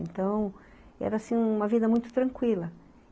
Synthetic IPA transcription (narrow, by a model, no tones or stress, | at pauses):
ḛ̃nt̪ɐ̃w̃ | ɛ̰ɾɐsĩũũmɐvid̪ɐmũj̃t̪ʊ̥t̪ɾɐ̃ŋkwilɐ